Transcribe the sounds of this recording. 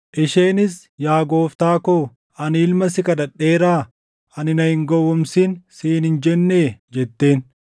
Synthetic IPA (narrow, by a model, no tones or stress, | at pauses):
ʔɪʃe̞ːnɪs | jaːɡo̞ːft̪aːkoː | ɐniːlmɐsɪkɐd̪ɐᶑːeːɾaː | ɐnɪnɐhɪŋɡɔwːɔmsiːnsiːnhɪnd͡ʒɛnːeːd͡ʒɛt̪ːe̞ːn